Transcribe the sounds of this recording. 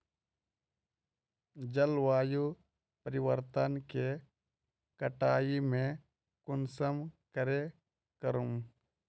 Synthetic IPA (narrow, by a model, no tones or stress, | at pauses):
d͡ʒəlʋaːju | pəɾɪʋəɾt̪ənke | kəʈaːimẽ | kʊnsəmkəɾe | kəɾum